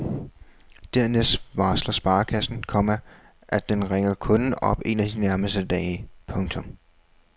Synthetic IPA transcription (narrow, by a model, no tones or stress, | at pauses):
d̥æɐnesʋɑ̈ːslɐsb̥ɑ̈ːkʰæsn̩kʰɒ̽mɐ | ʔæ̥d̥enʁeŋɐkʰɔ̽nɒ̽b̥e̝næd̥inæɐməsd̥əd̥ɛ̰ːɪpʰɔ̽ŋt͡sʰɔ̽m